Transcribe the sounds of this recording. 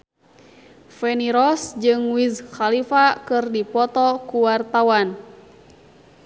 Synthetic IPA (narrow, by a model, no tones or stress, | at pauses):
fɛniɾɔsd͡ʒɨŋwizxalifakɨrdipɔt̪ɔkuwart̪awan